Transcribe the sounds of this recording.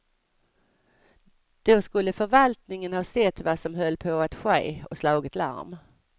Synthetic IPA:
d̪̥ɔskɵlːəfœɾvalt̪nɪŋənhɑːsɛt̪ːvasɔmɦœlːpʰɔat̪ɧḛːɔslɑːɡɪt̪la̰ɾm

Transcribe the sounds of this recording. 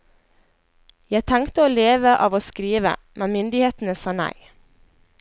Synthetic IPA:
jæɪt̪ʰæŋkt̪əoːleːʋəʔɑːʋoːskɾiːʋə̰ | mɛnmʏnd̪ɪheːt̪n̩əsɑːnæ̰ɪ

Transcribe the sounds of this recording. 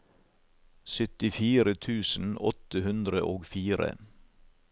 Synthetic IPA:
sʏt̪ɪfiːɾət̪ʰʉːsn̩ɔt̪əhʉnd̪ɾəʔoːɡfiːɾə̰

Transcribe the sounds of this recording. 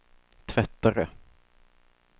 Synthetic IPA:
t̪ʰvɛt̪ːaɾə

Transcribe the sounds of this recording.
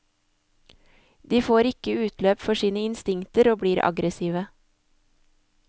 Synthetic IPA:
d̪iːfoːɾɪkəʉːt̪løːpfɔʃiːnəɪnst̪ɪŋt̪əɾoːbɽiːɾʔɑ̰ɡɾəsiːʋə

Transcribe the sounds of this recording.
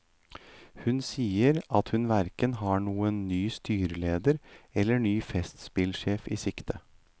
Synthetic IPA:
hʉnsiːəɾʔɑt̪hʉnʋæɾkənɦɑɳuːənːyːst̪yːɾəleːd̪əɾɛlːəɳyːfɛst̪spɪlʃeːfḭːsɪkt̪ə

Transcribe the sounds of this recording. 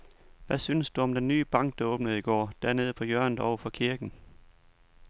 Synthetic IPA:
ʋæsynəsd̥uɒ̽md̥enːy̰ːb̥ɑ̈ŋ̰ɡ̥̚d̥ɑɔ̽ːb̥nəð̞̩ˠiɡ̥ɒ̰ːd̥æɐne̝ð̞ˠpʰɒ̽jœɐ̰nðɒʊɐfɒ̽kʰiɐɡ̥n̩

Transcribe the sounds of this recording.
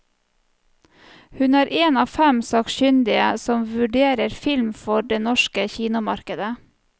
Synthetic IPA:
hʉnæːɾʔeːnɑːfæmsɑːkʃʏnd̪ɪəsɔmʋʉɖeːɾəɾfɪlmfɔɖeːnɔʃkəçiːnʊmɑɾkəd̪ə

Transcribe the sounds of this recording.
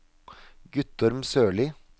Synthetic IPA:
ɡʉt̪ɔɾmsøːɭɪː

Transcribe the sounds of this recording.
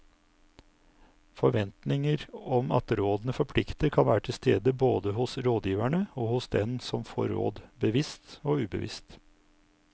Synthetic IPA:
fɔɾʋɛnt̪nɪŋəɾɔmɑ̰t̪ɾoːd̪n̩əfɔɾpʰlɪkt̪əkʰɑnʋæːɾəʈʰɪlst̪ḛːd̪əboːd̪əhʊsɾoːd̪jiːʋæɳəoːhʊsd̪ɛnsɔmfo̰ːɾo̰ːd̪bəʋɪst̪oːʉːbə̰ʋɪ̰st̪

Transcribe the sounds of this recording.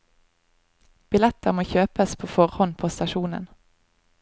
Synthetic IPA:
b̥ɪlɛt̪əʁmoːçøːpəspʰoːfɔʁhɔnpʰoːst̪ɑʃuːnə̰n

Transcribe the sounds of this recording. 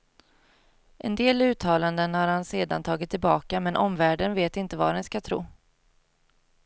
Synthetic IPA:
ʔɛ̰nd̪eːlʉ̟ːt̪ʰːɑːland̪ənhaɾhanseːd̪a̰nt̪ʰɑːɡɪt̪ʰːɪlbɑːkamɛnʔɔmvæːɖənveːt̪ɪnt̪əva̰dɛnskat̪ʰɾṵː

